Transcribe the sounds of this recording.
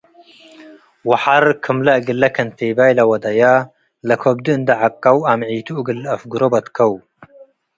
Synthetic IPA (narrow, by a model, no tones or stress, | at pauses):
wɐħaɾkʰɨmlɐɡɨlːɐkʰɐnt̪eːbaːjlɐwɐd̪ɐja | lɐkʰobd̪ɨnd̪ɐʕakːɐwamʕiːt̪uʔɡɨlɐfɡuɾobɐt̪kʰɐw